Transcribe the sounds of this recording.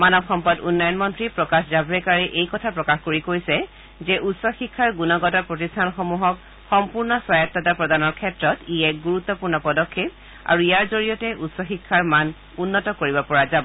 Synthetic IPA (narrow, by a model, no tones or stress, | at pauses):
manɔbxɔmpadṵnːajɔnmɔntɹipɹɔkaszabɹɛkaɹɛʔejkɔtʰapɹɔkaxkoɹikojsɛ | zɛʔutsɔxikʰːaɹɡunɔɡɔtapɹotistʰanxɔmuɦɔk | xɔmpuɹnɔswajatːɔtapɹɔdanɔɹkʰɛtɹɔtiɛɡuɹut̪ːɔpuɹnɔpɔdɔkʰːep̚ | a̰ɹuijaɹzoɹijɔtɛʔutsɔxikʰːaɹman | unːɔtɔkoɹibɔpɔɹazabɔ